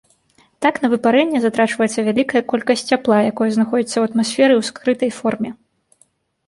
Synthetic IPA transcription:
t̪aknɐvɨpaɾɛnʲːɛzat̪ɾat͡ʂvɐjɛt̪sːɐvʲalʲikɐjɐkɔlʲkɐsʲtʲt͡sːʲaplˠajakɔjɐznaxɔd͡zʲit̪sːɐwɐt̪masʲfʲɛɾɨwskɾɨt̪ɐjfɔrmʲɛ

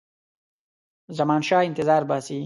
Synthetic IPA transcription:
zɐmaːnʃɑːint̪ɪzaːɾbasi

